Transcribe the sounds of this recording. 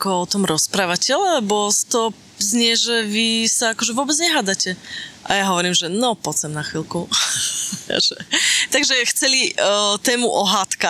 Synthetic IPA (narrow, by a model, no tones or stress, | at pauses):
akɔɔt̪ɔmɾɔspɾaːʋacɛɔlɛlɛbɔst̪ɔ | zɲɪɛʒɛʋisaakɔʒɛʋʊɔbɛd͡zɲɛɦaːd̪acɛʔajaɦɔʋɔɾiːmʒɛnɔpɔt͡sɛmnaxʋilkṵ | ʒ̥ɛt̪aɡʒɛxt͡sɛlit̪ɛːmuʔɔɦaːt̪ka